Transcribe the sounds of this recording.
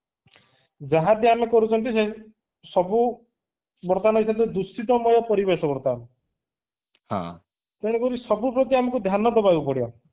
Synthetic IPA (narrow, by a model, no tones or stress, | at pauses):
d͡ʒaɦãd̪ʱjanekɔɾut͡ʃʰɔnt̪̬ise | sɔbu | bɔɾt̪anɔɦit͡ʃʰɔnt̪ed̪ust̪it̪ɔmɔjɔpɔɾibesɔbɔɾt̪an | hã̰ | t̪eɽ̃ekɔɾisɔbupɾɔt̪̬iamɔkud̪ʱjanɔd̪ɔbaɡupɔɽiɔ̰